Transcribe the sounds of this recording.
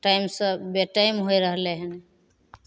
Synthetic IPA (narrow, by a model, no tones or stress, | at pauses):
ʈajmsə̃beʈajmɦojɾəɦleɦən